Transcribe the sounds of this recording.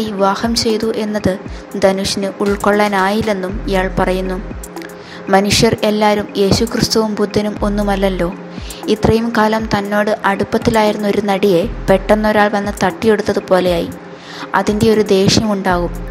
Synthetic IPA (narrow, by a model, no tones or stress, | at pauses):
iʋaːhɐmt͡ɕe̞jt̪uʔe̞nːɐðɨ | d̪ɐnuɕinɨʔuɭko̞ɭːaːnaːjile̞nːumijaːɭpɐrɐjunːu | mɐnuʂjɐre̞lːaːɾumje̞ːɕukrist̪uʋumbud̪ʱːɐnumo̞nːumɐlːɐlːo̞ː | it̪rɐjumkaːlɐmt̪ɐnːo̞ːɽɨʔɐɽupːɐt̪ːilaːjiɾunːo̞ɾunɐɽije̞pe̞ʈːenːo̞ɾaːɭʋɐnːɨt̪ɐʈːije̞ɽut̪ːɐðɨpo̞ːle̞jaːjḭ | ɐ̰ðinde̞o̞ɾud̪e̞ːʂjɐmuɳɖaːɣum